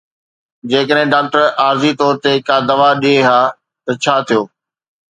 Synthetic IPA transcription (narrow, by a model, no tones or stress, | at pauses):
d͡ʑeːkəɗɦɪ̃ɖaːk̚ʈəɾaːɾzit̪ɔːɾt̪ekaːd̪ɐʋaɗieɦaː | t̪ɐt͡ɕʰaːt̪ʰijoː